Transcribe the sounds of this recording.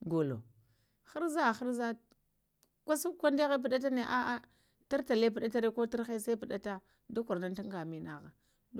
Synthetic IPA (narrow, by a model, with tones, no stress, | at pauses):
ɡo˨lo̰˨ | xa˦ɾza˦˨xa˦ɾza˦ | kʷa˦su˦kʷa˦nde˦ɣe˦p̬i˨ɗa˦t̬a˦ne˨ʔa˦ʔa˦ | ta˦ɾta˨le˦p̬i˨ɗa˦ta˦ɾe˦ko˦ta˦xe˦sa˦pi˨ɗa˦ta˦ | du˦kʷu˨ɾna˦n˦ta˦ŋɡa˨mi˦na˨ɣa˨˦